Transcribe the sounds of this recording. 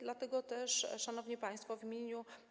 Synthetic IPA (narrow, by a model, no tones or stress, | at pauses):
d̪lat̪ɛɡɔt̪ɛʂʂanɔvɲipaj̃st̪fɔvʲimʲjeɲu